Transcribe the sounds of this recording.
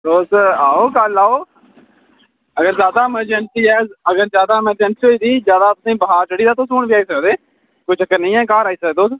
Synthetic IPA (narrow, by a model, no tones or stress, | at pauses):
d̪oːsaːoːkəlaːoː | əɡəɾzjaːd̪aːəməɾd͡ʒəɳsiːɛːzəɡəɾzjaːd̪aːməɾd͡ʒəɳsɦoːiːd̪iːzjaːd̪aːt̪ʊsĩːbəɦaːɾt͡ʃəɽiːd̪aːt̪oːsuːɳbiaːiːsəkːd̪eː | koit͡ʃəkːəɾnəĩːɛ̃ːkaːɾaːiːsəkːd̪oːs